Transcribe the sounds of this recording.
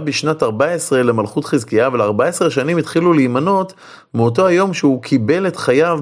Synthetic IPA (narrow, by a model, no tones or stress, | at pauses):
biʃnataʁbaesʁe̞lemalχutχizkiavelaʁbaesʁeʃanimit̪χilulejmano̞t | meot̬o̞ajo̞mʃeukʰibe̞le̞tχajav